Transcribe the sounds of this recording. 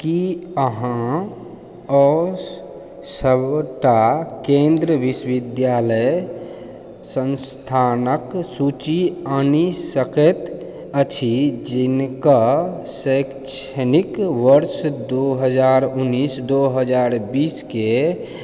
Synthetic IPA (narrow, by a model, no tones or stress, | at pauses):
kiəɦã | ɔ | səbʈakẽnd̪ɾəbisʋid̪jaləj | sənst̪ʰanəksut͡ʃiənisəkɛt̪ | ət͡ʃʰid͡ʒinka | sək | t͡ʃʰənikʋəɾsd̪oɦəd͡ʒaɾunːisd̪oɦəd͡ʒaɾbiske